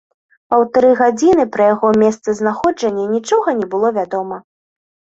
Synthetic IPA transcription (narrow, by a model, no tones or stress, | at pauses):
pɐwt̪aɾɨɣad͡zʲinɨpɾɐjaɣɔmʲɛst̪sɐznaxɔd͡ʐɐnʲːɐnʲit͡ʂɔɣɐnʲɛbɨlˠɔvʲad̪ɔmɐ